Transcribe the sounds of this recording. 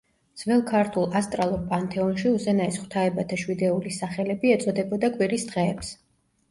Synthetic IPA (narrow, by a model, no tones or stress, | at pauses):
d̪z̥vɛlˠkʰaɾt̪ʰulˠast̪ʼɾalˠuɾpʼant̪ʰʼɛɔnʃiuzɛnaisχwt̪ʰaɛbat̪ʰaʃwid̪ɛulisaχɛlɛbiɛt̪sʼɔd̪ɛbɔd̪akʼwiɾisd̪̥ʁɛːps